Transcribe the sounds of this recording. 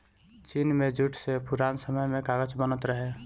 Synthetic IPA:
t͡ʃinmẽd͡ʒʱuʈʰsepuɾansəməjmẽkaɡət͡ʃbənət̪ɾəɦe

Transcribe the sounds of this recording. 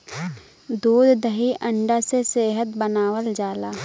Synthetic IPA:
d̪uːd̪d̪əɦiʔə̃ɳɖaseseːɦət̪bənaːwəld͡ʒaːlaː

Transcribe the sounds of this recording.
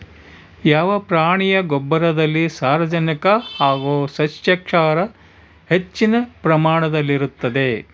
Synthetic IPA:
jaːʋɐpɾaːɳijɐɡɔbːɐɾɐd̪ɐlːisaːɾʋɐd͡ʒɐnikɐhaːɡuːsɐʃjɐkʂaːɾɐ | het͡ʃːinɐpɾɐmaːɳɐd̪ɐlːiɾut̪ːɐd̪e

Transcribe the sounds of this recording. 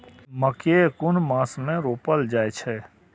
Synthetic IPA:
məkekʊnmãːsmẽɾoːpəld͡ʒaːet͡ʃʰɛ

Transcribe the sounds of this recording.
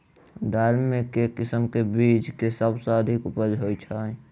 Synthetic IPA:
d̪ʱaɾmekekɪsəmkebiːt͡ʃkesəbsaəd̪ʱɪkʊpəɾd͡ʒɦoit͡ʃʰa

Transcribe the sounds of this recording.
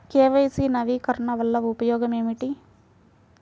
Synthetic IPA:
keːʋɐjsiːnɐʋikɐɾɐɳɐʋɐlːɐupɐjɔːɡɐme̞ːmiʈi

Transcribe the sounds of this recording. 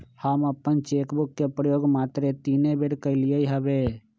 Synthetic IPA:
həməpːənt͡ʃeːkbʊkːepɾəjoːɡmaːt̪ɾet̪iːnebeɾkəɪlijəiɦəbeː

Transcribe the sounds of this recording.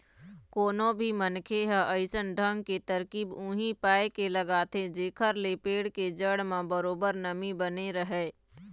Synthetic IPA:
koːnõbʱimənkʰeɦə̃ʔəɪsənɖʱə̃ŋɡket̪əɾkiːbũːɦipaːekeləɡaːt̪ʰed͡ʒeːkʰəɾlepeːɽked͡ʒəɽmãbəɾoːbəɾnəmibəneɾəɦeː

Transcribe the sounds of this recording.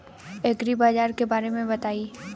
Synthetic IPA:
ɛɡɾibaːd͡ʒaːɾkebaːɾemẽbɐt̪aːi

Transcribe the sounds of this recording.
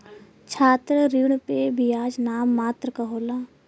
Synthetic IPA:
t͡ʃʰaːt̪ɾəɾiɳpebʱiaːd͡ʒnaːmːaːt̪ɾəkɐɦoːlaː

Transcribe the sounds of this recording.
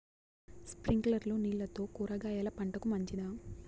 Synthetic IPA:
spɾiŋɡlɐɾloːniːɭːɐt̪o̞ːkuːɾɐɡaːjaːlɐpɐɳʈɐkumɐɲt͡ʃid̪aː

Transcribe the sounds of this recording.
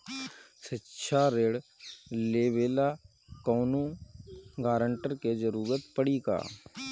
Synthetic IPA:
sɪtːʃʰaɾeːɽleːʋeːla | kɔːnũ | ɡaːɾəɳʈəɾked͡ʒəɾuːɾət̪pəɽika̰ː

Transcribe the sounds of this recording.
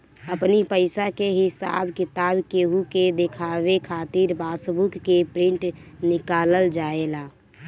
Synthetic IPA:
əpnipəɪsakeɦɪsa̰bkɪt̪abkeɦuked̪ekʰaʋekʰat̪iɾbaːsbukːepɾɪ̃ɳʈnɪkaləld͡ʒaela

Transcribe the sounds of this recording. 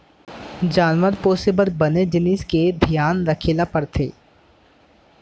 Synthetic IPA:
d͡ʒaːnʋəɾpɔːsɪbəɾbɐned͡ʒɪnisked̪ʱjaːnɾəkʰeːlapɐɾt̪ʰḛː

